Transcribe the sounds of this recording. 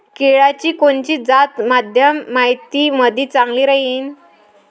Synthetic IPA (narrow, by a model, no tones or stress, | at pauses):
keɭat͡ɕiːkoɳt͡ɕiːd͡zat̪mad̪ʱjəmːaɦjt̪iməd̪ʱiːt͡saŋɡliːɾəɦiːn